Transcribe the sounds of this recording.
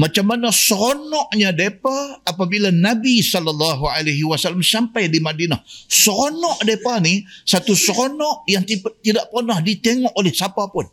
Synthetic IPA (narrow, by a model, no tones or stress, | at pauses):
mat͡ʃamːanasəɾonɔʔɲadepaːpabilanabisɔlalːaɦualaɦiwasalːamsampajdimadinahsəɾonɔʔdepanisat̪usəɾonɔʔjaŋt̪it̪idaʔpərnahdit̪eŋɔʔolɛhsapapʊn